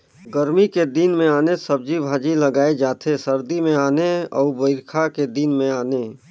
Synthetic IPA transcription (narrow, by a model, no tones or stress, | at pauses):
ɡəɾmiked̪inmẽaːnesəb̚d͡ʒibʱaːd͡ʒiləɡaːed͡ʒaːt̪ʰesəɾd̪imẽaːneɔ̰ːbəɪɾkʰaked̪inmẽaːneː